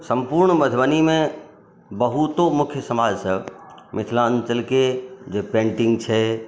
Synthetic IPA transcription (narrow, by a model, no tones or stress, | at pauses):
sɐ̃mpuːɾɳməd̪ʱbənimẽ | bɐɦut̪omʊkʰjəsɐmaːd͡ʒsəmɪt̪ʰlãnt͡ʃəlked͡ʑeːpẽːɳʈɪ̃ŋɡt͡ʃʰɛ